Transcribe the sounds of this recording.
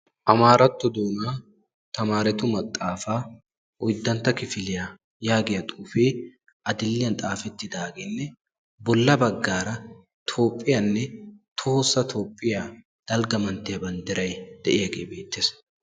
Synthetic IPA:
ʔɐmaːɾɐt̪ːʊd̪uːnaː | t̪ɐmaːɾɛt̪ʊmɐt̪ʼːaːfaː | ʊjd̪ːɐnt̪ɐkɪfɪlɪja | jaːɡɪjɐt̪ʼuːfeː | ʔɐd̪ɪlːɪjɐnt̪ʼaːfɛt̪ːɪd̪aːɡɪnːɛ | bɔlːɐbɐɡːaːɾɐ | t̪ʰo̞ːpʼːɪjɐnːɛt̪ʰoːsːɐt̪ʰo̞ːpʼːɪja | d̪̥ɐlɡɐmɐnt̪ɛɐbɐnd̪ɪɾɐjd̪̥ɛʔeɐɡeːbeːt̪ːɪs

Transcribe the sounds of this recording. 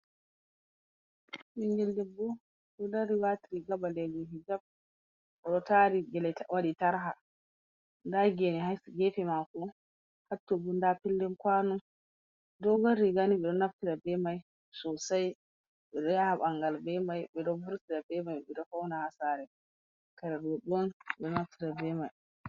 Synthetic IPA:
miŋɡɛldɛbɔ | ɗɔdaɾiwatiɾiɡabalɛnuɦid͡ʒab̚ | ʔɔɗɔtaɾiɡɛlɛtwaɗitaɾɦa | ndaɡɛniɦasɡɛfɛmakɔ | hatːubundapilːɛmkwanu | ddɔɡaɾiɡaniɓɛɗɔnaftiɾabɛmaj | sɔsaj | ɓɛɗɔjahaɓaŋɡalbɛmajɓɛɗɔbuɾtiɾabɛmajɓɛɗɔfawnahasaɾɛ | kaɾɛdɔɗɔnɛɗɔnaftiɾabɛmaj

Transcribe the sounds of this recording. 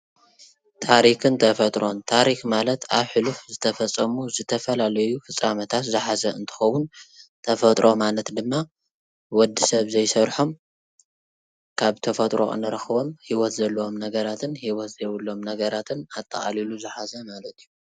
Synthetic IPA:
t̪ʰaɾikɨnt̪ʰɐfɐt̪ʼɾo̞nt̪ʰaɾixmalɐt̪ʰaβħɨlufzɨt̪ʰɐfɐt͡sʼːɐmuzɨt̪ʰɐfɐlalɐjufɨt͡sʼːamɐt̪ʰat̪zɨħazɐɨnt̪ʰɨ̥xɐwunt̪ʰɐfɐt̪ʼɾʔo̞malɐt̪d̪ɨmːa | wɔd̪ːisɐβzɐjsɐɾħo̞m | kʰaβt̪ʰɐfɐt̪ʼɾo̰ʔɨ̰nɐɾɐxɨβo̞mhiwɔt̪zɐlːɐo̞mnɐɡɐɾat̪ʰɨnhiwɔt̪zɐwulːo̞mnɐɡɐɾat̪ʰɨnat̪ʼːɐ̰χʼa̰liluzɨħazɐmalɐt̪iju

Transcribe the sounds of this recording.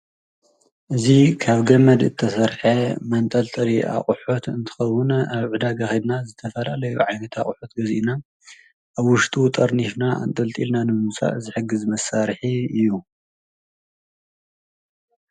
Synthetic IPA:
ʔɨzikʰaβɡɐmɐd̪ɨt̪ʰːɐsɐɾħemɐnt̪ʼɐlt̪ʼɐɾiʔa̰χʼʊħut̪ɨnt̪ʰɨ̥xɐwːʊnaβʕud̪aɡaxid̪nazɨt̪ʰɐfɐlalɐjuʕajnɐt̪ʰaχʼħut̪ɡɐzina | ʔaβwʊʃt̪ʼut̪ʼɐɾnifnaa̰nt̪ʼɐlt̪ʼḭlnanɨmmusʼa̰ʔzɨħɨɡɨzmɐsaɾħiɨjːu

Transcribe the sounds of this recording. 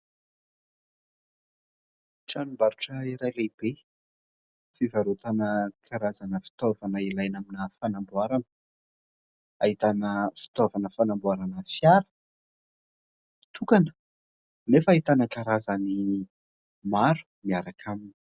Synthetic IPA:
ʈ͡ʂanumbaɾuʈ͡ʂəiɾajleb̥e | fivaɾut̪anəkʰaɾazanəfi̥t̪ovanəilajnaminəfanambuaɾan | aɦit̪anəfi̥t̪ovanəfanambuaɾanəfjaɾə̥ | t̪ʰukanə̥ | nefait̪anəkaɾazani | maɾu̥ | miaɾakʰamini

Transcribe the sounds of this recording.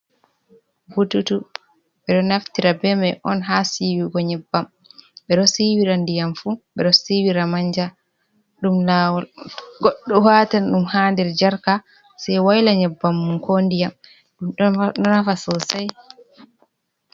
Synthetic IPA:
bututu | ɓɛɗɔnaftiɾabɛmɛʔɔnɦasiwiɡɔɲɛbːam | ɓɛɗɔsiwiɾandijamfuɓɛɗɔsiwiɾamaɲd͡ʒa | ɗumlawɡɔɗːɔwatanɗumhaːndɛɾd͡ʒaɾka | sajwajlaɲɛbːamːunkondijam | uɗɔnafasɔwsaj

